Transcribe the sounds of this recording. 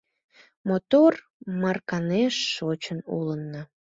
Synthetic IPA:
mot̪or | mɑrkɑneʃːot͡ɕənṵlənːə

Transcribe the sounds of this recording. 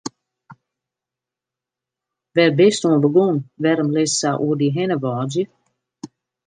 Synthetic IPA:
ʋɛrbɪstoəbəɡonʋɛɾəmlɪssaʔuərdiɦɛnəʋɔːd͡ʒjə

